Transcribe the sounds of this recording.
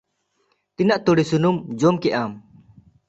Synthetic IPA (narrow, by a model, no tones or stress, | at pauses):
t̪inaʔt̪uɽisunumd͡ʒɔmkɛʔam